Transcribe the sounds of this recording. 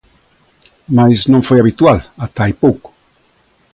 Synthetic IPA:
majznõɱfojaβit̪walat̪ajpowk

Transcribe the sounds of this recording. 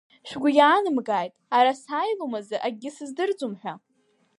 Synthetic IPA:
ʃᶣɡʷʊjaːnɨmɡaːjtʼaɾasajlomazɨʔaɡʲɪsɨzdɨrd͡zumħᶣʷa

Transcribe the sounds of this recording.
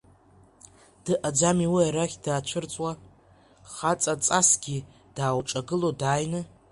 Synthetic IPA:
d̥ɨʔad͡zamiwiaɾaχʲdaːt͡ʃʷʰɨrt͡sʼwa | χat͡sʼat͡sʼasɡʲi | d̥aːwʈ͡ʂʼaɡɨlodaːjnɨ

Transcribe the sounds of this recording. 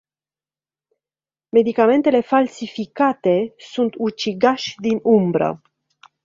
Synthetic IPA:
me̞d̪ikame̞nt̪e̞le̞falsifikat̪e̞sunt̪ut͡ʃiɡaʃʲd̪inumbɾə̰

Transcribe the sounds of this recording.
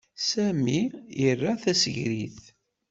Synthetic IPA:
sæmijərːaθæsəʝɾḭθ

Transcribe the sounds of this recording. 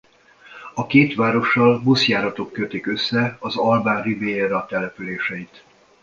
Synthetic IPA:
ɒkeːt̪ʋaːɾo̞ʃːɒlbusjaːɾɒt̪o̞kːøt̪ikø̞sːɛɒzɒlbaːnriveːeɾɒt̪ɛlɛpyleːʃɛit̪

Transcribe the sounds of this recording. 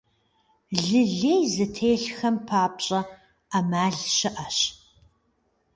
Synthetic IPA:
ɮɨɮeːjzɨtʰeːɬxɐmpʰaːpɕʼɐ | amaːɮʃɪʔɐɕ

